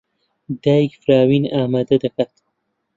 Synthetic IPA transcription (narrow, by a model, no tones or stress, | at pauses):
d̪akfɾaːwinaːmad̪ad̪akat̪